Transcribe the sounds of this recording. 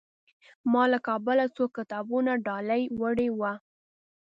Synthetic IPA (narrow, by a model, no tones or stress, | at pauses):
mɑlakɑbəlat͡sokːɪt̪ɑbunaɖɑlajwəɽewa